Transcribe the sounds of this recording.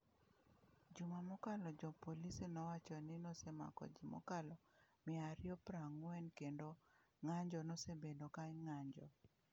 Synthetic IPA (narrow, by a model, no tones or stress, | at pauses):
d͡ʒumamɔkalɔd͡ʒɔpolisinɔwat͡ʃɔnɪnɔsema̰kɔ̰d͡ʒimɔ̰kalɔmɪaɾjɔpɾaŋwɛnkendo | ŋaɲd͡ʒɔnɔsebedokaŋaɲd͡ʒɔ̰